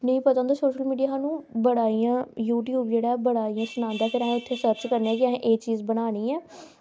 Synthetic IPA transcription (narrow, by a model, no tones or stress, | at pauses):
nəĩːpət̪ə̃ːd̪aːsoːʃəlmiːɖijaːɦaːnũːbəɽaːijãːjuːʈjuːbd͡ʒeːɽaːɛbəɽaːijãːsʊnãːnd̪aːpʰɪɾəɦãːɪt̪ʰːeːsəɾt͡ʃkəɾneːɛːkɪaɦːʔeːt͡ʃiːzbəɽaːniːɛː